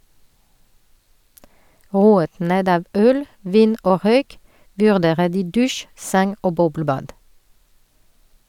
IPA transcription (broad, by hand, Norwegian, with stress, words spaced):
ˈʁuːət ˈneːd ˈɑːʋ ˈœl ˈʋiːn ˈoː ˈʁœʏk ʋʉʁˈdeːʁə ˈdiː ˈdʉʃ ˈsɛŋ ˈoː ˈbɔbləˌbɑːd